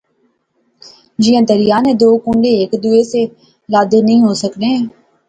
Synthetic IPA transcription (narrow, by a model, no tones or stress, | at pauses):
d͡ʒɪjãːd̪əɾɪjaːneːd̪oːkũːɳɖeːeːkd̪ʊeːse | ləd̪nəɦĩːɦoːsəkneːɦɛ̃ː